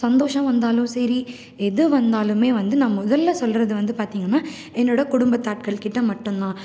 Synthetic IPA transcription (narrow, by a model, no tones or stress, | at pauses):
sɐnd̪oːʂɐ̃mʋɐnd̪aːlɯ̃msɐɾi | ɛðɯʋɐnd̪aːlɯmeːʋɐnd̪ɯnɐmɐmʊðɐlːɐsɔlɾɐðɯʋɐnd̪ɯpaːɾt̪iːŋɡɐnːaː | ɛnːoːɽɐkʊɽʊmbɐt̪ːaːʈ̚kɐɭkɪʈːɐmɐʈːɯnnãː